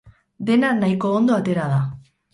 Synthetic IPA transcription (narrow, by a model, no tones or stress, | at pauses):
d̪e̞nanajkoːnd̪oat̪e̞ɾað̞a